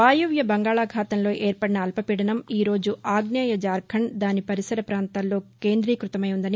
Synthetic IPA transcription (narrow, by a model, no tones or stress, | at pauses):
aːjuʋjɐbɐŋɡaːɭaːɡʱaːt̪ɐmlo̞ːʔeːɾpɐɽinɐːlpɐpiɽɐnɐmiːɾo̞ːd͡ʒuʔaːɡnaːjɐd͡ʒaːɾɡʱɐɳd̪aːnipɐɾisɐɾɐpɾaːnt̪aːlːo̞ːke̞ːnd̪ɾiːkɾut̪ɐmɐjund̪ɐni